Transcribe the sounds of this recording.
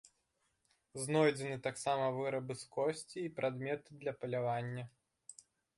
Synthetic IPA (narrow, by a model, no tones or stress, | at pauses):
znɔjd͡zʲɛnɨt̪aksamɐvɨɾɐbɨskɔsʲt͡sʲiːpɾʔad̪mʲɛt̪ɨd̪lʲɐpɐlʲavanʲːɐ